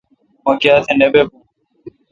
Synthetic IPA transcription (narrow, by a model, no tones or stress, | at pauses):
mõːkɪjaːt̪ʰẽneːbeːbũː